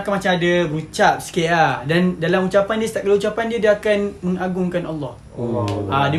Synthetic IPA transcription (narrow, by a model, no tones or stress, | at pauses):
kanmat͡ʃamadaɾut͡ʃap̚si̥keʔadandalamut͡ʃapandiəst̪aʔkalaut͡ʃapandiadaakanmə̃ŋaɡʊŋkanalːɔh | ʔadə